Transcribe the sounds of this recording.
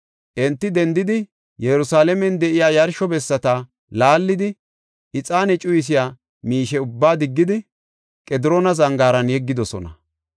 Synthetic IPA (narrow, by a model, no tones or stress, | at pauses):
ʔɛnt̪ːɪd̪ɛnd̪ɪd̪ɪ | jɛɾʊsaːlɛmɛnd̪ɛʔɪjaːjɐɾʃɔbɛsːɐt̪a | laːlːɪd̪ɪ | ʔɪt͡sʼaːnɛt͡ʃʼʊjɪs̬ɪjaː | miːʃɛʊbːaːd̪ɪɡːɪd̪ɪ | kʼɛd̪ɪɾoːnɐzɐŋɡaːɾɐnjɛɡːɪd̪ɔsɔ̰nɐ̰